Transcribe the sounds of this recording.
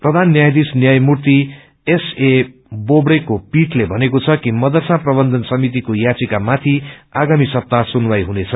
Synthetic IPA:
prʌd̪ʱanːjajd̪isnjajmurt̪i | ese | bobɽekopiʈlebʱʌnekot͡sʰʌkimʌd̪ʌrsaprʌbʌnd̪ʱʌnsʌmit̪̬ikojat͡sikamat̪ʰiaɡamisʌp̚t̪asunwajɦunet͡sʰʌ

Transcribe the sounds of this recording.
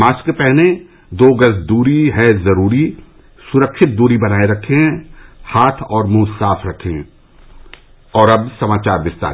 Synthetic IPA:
maːskepɛɦne | d̪oːɡɐsd̪uːɾiɦɛzɐɾuːɾi | sʊɾəkʃɪt̪̚d̪uːɾibɐnaːeɾɐkʰeɦɛ̃haːt̪ʰɔːɾmũːsaːfʰɾɐkʰeɦɛ̃ | ɔːɾɐbsɐmaːt͡ʃaːɾʋɪst̪a̰ː

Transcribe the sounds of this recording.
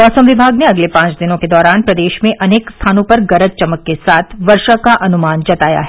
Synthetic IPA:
ɔːsəmʋɪbʱaːɡneɐɡlepãːt͡ʃd̪ɪnõked̪ɔːɾaːnpɾɐd̪eːʃmẽʔɐneːkst̪ʰaːnõpɐɾɡɐɾət̪̚t͡ʃɐməkːesaːt̪ʰʋɐɾʃakaʔɐnumaːnd͡ʒɐt̪aːja̰ɦɛ

